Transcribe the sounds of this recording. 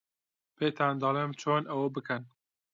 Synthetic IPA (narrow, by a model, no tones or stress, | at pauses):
pʰeːt̪ʰaːnd̪ɑleːmt͡ʃʰoːnʔɐwɐbɨkʰɐn